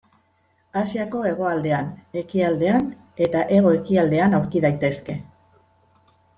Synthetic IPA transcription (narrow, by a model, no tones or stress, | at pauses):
asiako̞e̞ɣ̞o̞ald̪e̞ane̞kiald̪e̞an | e̞t̪aʔe̞ɣo̞e̞kiald̪e̞anawɾkiðajt̪e̞ske̞